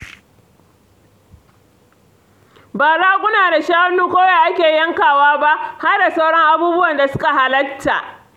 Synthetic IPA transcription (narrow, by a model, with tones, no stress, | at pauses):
baː˨zaː˦kʷʼʊ˦naː˨da˨ʃaː˦wɐ˦nːuː˦kʷoː˦jaː˨ʔa˦kʲeː˨jɐ˦ŋkaː˨waː˦ba˦ʔha˦rda˨sa˦wɽɔ˦ŋʔa˦buː˦bʊ˦wɐ˨nda˨sʊ̥˦ka˨ɦa˨lɐ˦ktːa˨ʔ